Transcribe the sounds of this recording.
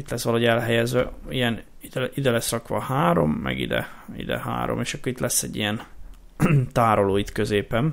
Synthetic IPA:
it̪lɛsʋɒlɒɦoɟɛlɦɛjɛzʋɛijɛniid̪ɛlɛsrɒkʋɒhaːɾo̞̰mːɛ̰ɡḭd̪ɛ̰ḭd̪ɛ̰ha̰ːɾo̞̰meːʃɒkːoɾit̪lʔɛsːɛɟːijɛn | t̪aːɾoloːit̪kø̞zeːpɛn

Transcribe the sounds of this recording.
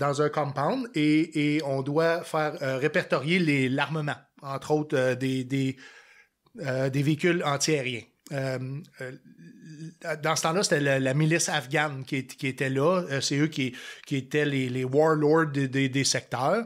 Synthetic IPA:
d̪ɑ̃zɛ̃kɔ̃mpãwneːɔ̃d̪wafɛːʁøʁepɛʁt̪ɔʁjelelaʁməmɑ̃ɑ̃t̪ʁɔoʊt̪ød̪ed̪e | ød̪eveikʲʏlɑ̃t̪ieʁjɛ̃ | øm | d̪ɑ̃sə̥t̪ɑ̃lʌse̥t̪ɛləlamilɪsafɡʲankʲiekʲiet̪ɛlʌseøkʲikʲiet̪ɛlelewɔɹlɔɹd̪d̪ed̪esɛk̚t̪œːʁ

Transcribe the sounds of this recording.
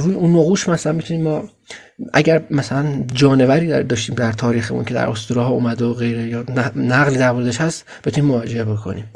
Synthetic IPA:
ɾuːjeunːoɣuːʃmæsælænmit̪uniːmːɒː | ʔæ̰ɟæɾmæsælænd͡ʒɒːne̞væɾiːd̪d̪ɒːʃt̪iːmd̪æɾt̪ʰɒːɾiːxḛmṵncʰe̞d̪æ̰ɾo̞st̪oɾɒːɦɒuːmæd̪eoɣe̞jɾejɒːnnæɣliːd̪æɾmoɾed̪eʃhæst̪ | bet̪uniːmoɒːd͡ʒe̞ebo̞kʰo̞̰nḭːm

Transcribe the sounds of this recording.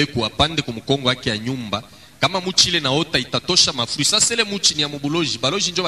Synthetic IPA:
ekuapandekomukɔŋɡɔakejaɲumba | kamamut͡ʃilenaotaitatoʃamafisasɛlemut͡ʃiniamobuloʒibaloʒind͡ʒo

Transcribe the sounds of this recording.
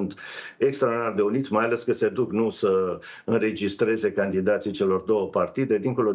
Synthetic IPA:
nt̪e̞kst̪ɾainard̪e̞unit̪sʲmajale̞skəse̞d̪uknusə | ɨnre̞d͡ʒist̪ɾe̞ze̞kand̪id̪at̪sijt͡ʃe̞lo̞rd̪o̞wəpart̪id̪e̞d̪iŋkolo

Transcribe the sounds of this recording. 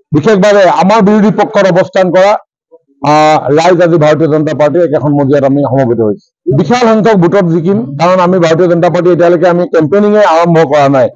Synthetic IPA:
bixʰek̚ʰbabɛamaɹbiɹud̪ʱipɔkʰːɔtɔbɔstʰankɔɹa | ɹajzazibʱaɹotiɔzɔnɔtapaɹt̬iɛkɛkʰɔnmodʱijatamixɔmɔbitɔɦojs | bixalɦaŋkʰɔk̚bʱutɔtzikimkaɹɔnamibʱaɹotijɔzɔntapaɹtietialokɛamikɛmpeniŋɛaɹɔmbʱɔkɔɹanaj

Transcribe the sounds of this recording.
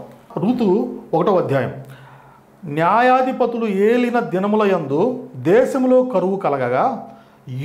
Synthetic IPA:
ɾuːt̪uɔkɐʈɐʋɐd̪ʱjaːjɐ̰m | njaːjaːd̪ʱipɐt̪ulueːlinɐd̪ɐnɐmulɐjɐnd̪od̪ɛːʃɐmlo̞ːkɐɾuʋukɐlɐɡɐɡaː

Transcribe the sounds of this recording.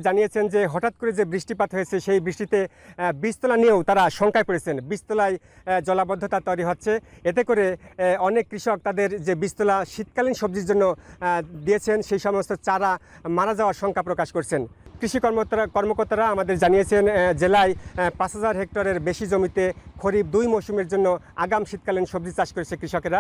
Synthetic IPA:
d͡ʑanijet͡ɕʰend͡ʑeɦɔʈat̪̚koɾed͡ʑebɾiʃʈipat̪ɦojet͡ɕʰeʃejbɾiʃʈit̪e | bist̪olaniewt̪aɾaʃɔŋkʰaepoɾet͡ɕʰenbist̪olaj | d͡ʑɔlabɔd̪ʱːot̪aɾt̪ɔjɾiɦotːɕʰeet̪̬ekoɾeɔnekːɾiʃɔk̚t̪ad̪eɾd͡ʑebist̪olaʃit̪̚kalinʃob̚d̪iɾd͡ʑonːod̪ijet͡ɕʰenʃejʃɔmost̪ʰot͡ɕaɾamaɾad͡ʑaoaɾʃɔŋkʰapɾokaʃkoɾt͡ɕʰenkɾiʃikɔɾmokoɾt̪aɾaamad̪eɾd͡ʑanijet͡ɕʰend͡ʑelaepasʰad͡ʑaɾɦek̚ʈoɾeɾbeʃid͡ʑomit̪ekʰoɾib̚d̪ujmoʃumeɾd͡ʑonːo | aɡamʃit̪̚kalinʃob̚d̪it͡ɕaʃkoɾet͡ɕʰekɾiʃɔkeɾa

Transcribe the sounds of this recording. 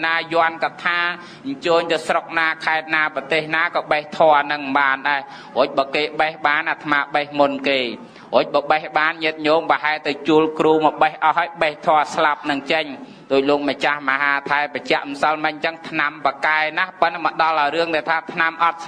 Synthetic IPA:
naːjŏənkɑt̪ʰaː | ɲt͡ɕəːɲt̪ɨwsrok̚naːkʰaɛt̪̚naːprɑt̪eːhnaːkɑːɓəht̪ʰoənɨŋɓaːnɗaɛ | hoːc̚ɓɑːkeːɓəhɓaːnʔat̪ʰmaːɓəhmunkeː | hoːc̚ɓɑːɓəhɓaːnɲɨət̪̚ɲoːŋpaɦaɛlt̪ɨwt͡ɕuəlkruːmɔɓəhʔɑɦːaːəjɓəht̪ʰoəslap̚nɨŋt͡ɕəɲ | ɗoːc̚loːk̚mət͡ɕahmaɦaːt̪ʰaɛpət͡ɕɛ̆əʔmsəlmɨc̚t͡ɕəŋt̪ʰnampakaɛnahpənməɗɑlʔaɔɾɨəŋt̪aɛlt̪ʰaːt̪ʰnamʔɑt̪̚s

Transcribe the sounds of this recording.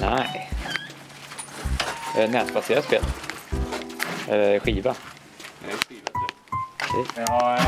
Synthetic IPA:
naɪ | ɛnɛːt̪̚baseːɾaspeːl | ɛlɧiːva | ɾɛsḭːs

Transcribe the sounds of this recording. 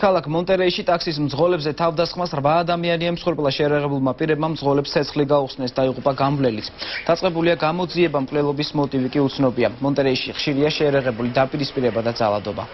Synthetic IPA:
kʰalˠakʰmɔnt̪ʼɛɾɛiʃit̪ʼaksis̬md̪zʁɔlɛbzɛt̪ʰavd̪asχmasɾvaːd̪amianiɛmsχuɾpʼlˠaʃɛjaɾaʁɛbulˠmapʼiɾɛb̚mamd̪zʁɔlɛpst̪ːʰɛt̪sʰχliɡauχsnɛsd̪aiʁupʼaɡanvlɛlit̪sʰd̪̥at̪sʼqʼɛbuliaɡamɔd̪ziɛbamkʼlɛlˠɔbismɔt̪ʼivikʼiut̪sʰnɔbiamːɔnt̪ʼɛɾɛiʃiχʃiɾiaʃɛaɾaʁɛbulid̪apʼiɾispʼiɾɛbad̪ad̪za̰lˠad̪ɔba̰

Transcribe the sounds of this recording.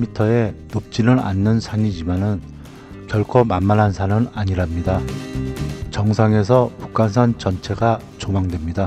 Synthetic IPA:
mitʰʌe̞nop̚t͡ɕ͈inɯɾa̰nːɯnsʰaɲid͡ʑimanɯn | kjʌɭkʰomanmanɦansʰanɯnaɲiɾamɲida | t͡ɕʌŋsʰaŋe̞sʰʌpu̥k̚k͈ansʰant͡ɕʌnt͡ɕʰe̞ɡa | t͡ɕomaŋdwe̞mɲida

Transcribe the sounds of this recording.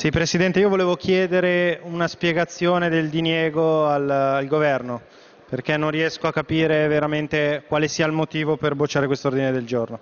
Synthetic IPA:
sipɾesid̪ɛnt̪eiovoleːvokʰjɛːd̪eɾeunaspjeɡat̪sːjoːned̪eld̪injeːɡoalalɡovɛrno | perkɛnːõnriɛskoakːapiːɾeveɾament̪ekwaːlesiːailmot̪iːvoperbot͡ʃːaːɾekwest̪oord̪ined̪eld͡ʒorno

